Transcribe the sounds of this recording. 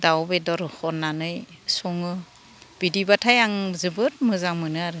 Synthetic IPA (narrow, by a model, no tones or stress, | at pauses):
dawbedɔɾhɔnːanɯjsɔŋɯ | b̥idibatʰajaŋzɯbɯt̚mɯzaŋmɯnɯaɾɯ